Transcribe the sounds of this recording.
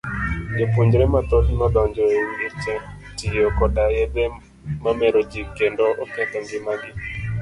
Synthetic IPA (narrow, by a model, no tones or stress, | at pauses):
d͡ʒepuɲd͡ʒɾemat̪otnɔdɔɲd͡ʒɔiŋɡɪt͡ʃɛ | tɪjokɔdajed̪e | mameɾod͡ʒikendoʔɔkɛt̪ɛŋɡɪmaɡɪ